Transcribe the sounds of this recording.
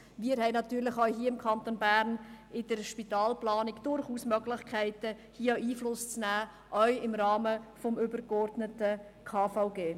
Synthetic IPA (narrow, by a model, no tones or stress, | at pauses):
miːəɾɦɛɪnɑt̪yːɾlɪχœɥɦiəɪmkʰɑnt̪onbæɾn | ɪd̥əɾʃpitɑːlplɑːnɪkd̥ʊɾχuːsmœɡlɪçkʰæɪtə | hiːəiːflʊst͡snæː | ʔœʏɪmɾɑːməfɔmʏbəɾkɔɾdnətə | kʰɑːfaʊɡeː